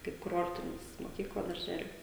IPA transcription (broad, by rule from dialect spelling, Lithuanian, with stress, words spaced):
kɐɪp kʊˈroːrʲtʲɪnʲɪs moːˈkʲiːklˠɐ dɐrʲˈʒʲæːlʲʊ